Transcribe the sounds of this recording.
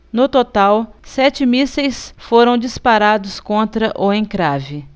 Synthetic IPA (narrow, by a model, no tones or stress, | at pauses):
nʊt̪ot̪awsɛt͡ʃɪmisejsfoɾɐ̃w̃d͡ʒispaɾad̪ʊskõnt̪ɾɐʔoẽkɾavɪ